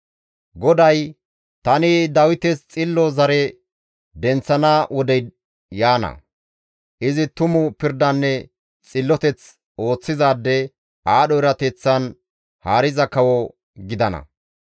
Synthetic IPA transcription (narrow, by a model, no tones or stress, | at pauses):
ɡɔd̪ɐj | t̪ɐnɪd̪ɐwɪt̪ɛst͡sʼɪlːɔzɐɾɛ | d̪ɛnt͡sːɐnaːwɔd̪ɛj | jaːnɐ̰ | ʔɪzɪt̪ʊmʊpɪɾd̪ɐnːɛ | t͡sʼɪlːɔt̪ɛt͡s | o̞ːt͡sːɪzaːd̪ːɛ | aːɗɔɪɾɐt̪ɛt͡sːɐn | haːɾɪzɐkɐwɔ | ɡɪd̪ɐnɐ̰